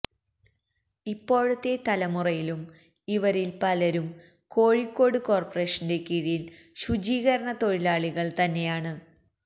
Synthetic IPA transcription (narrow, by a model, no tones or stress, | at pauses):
ipːo̞ːɻut̪ːe̞t̪ɐlɐmurɐjilum | iʋɐɾilpɐlɐɾum | ko̞ːɻikːo̞ːɽɨkoːrpɐre̞ːʂɐnde̞kiɻijil | ɕud͡ʑiːɣɐɾɐɳɐt̪o̞ɻilaːɭiɣɐɭt̪ɐnːe̞jaːɳɨ